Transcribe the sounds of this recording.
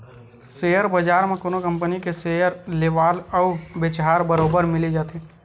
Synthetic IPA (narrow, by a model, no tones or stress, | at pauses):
sejəɾbəd͡ʒaːɾmẽkoːnokə̃mpənikesejəɾleːʋaːlɔʊbɪt͡ʃɦaːɾbəɾoːbəɾmɪled͡ʒaːt̪eː